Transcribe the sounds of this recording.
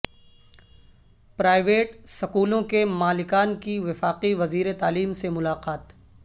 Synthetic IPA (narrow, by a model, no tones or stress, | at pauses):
pɾaːɪʋeːʈsɐkuːlõkemaːlɪkaːnkiʋɪfaːqiʋɐziːɾet̪aːliːmsemʊlaːqaːt̪